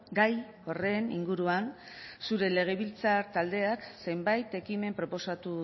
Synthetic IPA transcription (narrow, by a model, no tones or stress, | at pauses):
ɡaj | o̞re̞nḭŋɡuɾuan | suɾe̞le̞ɣ̞e̞βilt͡saɾt̪ald̪e̞akse̞jmbajt̪e̞kime̞mpɾo̞po̞sat̪u